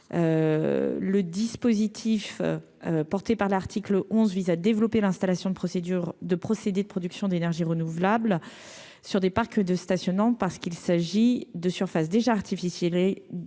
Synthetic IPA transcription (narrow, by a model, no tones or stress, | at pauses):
ø̰ | ləd̪ispozit̪ʰif | øpɔʁt̪epaʁlaʁt̪ʰikləʔɔ̃zvizad̪evlɔpelɛ̃st̪alasjɔ̃d̪əpχɔsed̪yʁd̪əpχɔsed̪ed̪əpχɔd̪yksjɔ̃d̪enɛʁʒiʁənuvlabl | syʁd̪epaʁkd̪əst̪asjɔnɑ̃paʁsə̥kilsaʒid̪əsyʁfasd̪eʒaːʁt̪ʰifisjɛl